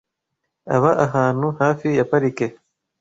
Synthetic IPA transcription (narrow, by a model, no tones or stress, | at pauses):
a̰βaʔaɦaːn̥uhaːfijapaɾike